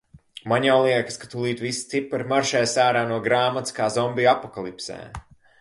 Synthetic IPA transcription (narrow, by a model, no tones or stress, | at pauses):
maɲjawlˠiɛkḁskḁt̪ulˠiːt̪vist̪sipːɾmaɾʃɛːsaːɾaːnuɔɡɾaːmat̪skaːzɔmbiapɔkalˠipsɛ̰ː